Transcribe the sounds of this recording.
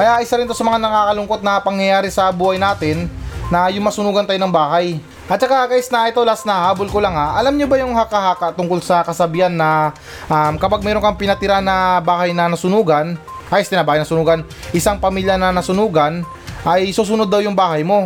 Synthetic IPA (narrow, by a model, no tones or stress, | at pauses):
kɐjaʔɪsaɾɪnt̪o̞sɐmɐŋanɐŋaːkɐlʊŋko̞t̪̚nɐpɐŋjɐjaːɾɪsɐbuːhɐjnaːt̪ɪnːɐjʊŋmɐsʊnuːɡɐnt̪ajonɐŋbaːhaj | ʔɐt̪̚t͡ʃɐkakaːjɪsnɐʔɪt̪olɐasnɐhaːbolkolaŋhaʔɐlamɲobɐjʊŋhakɐɦaːkaʔt̪ʊŋkolsɐkɐsɐbihanːɐ | ʔamkɐpaɡ̚mɛːɾoŋkɐŋpɪnɐt̪ɪɾanɐbaːhɐjnɐnɐsʊnuːɡɐn | kajst̪ɪnɐbaːhɐjnɐsʊnuːɡɐn | ʔɪsaŋpɐmiːljɐnɐnɐsʊnuːɡɐn | ʔɐjsuːs̬ʊnod̪ːɐwjʊŋbaːhɐjmo̞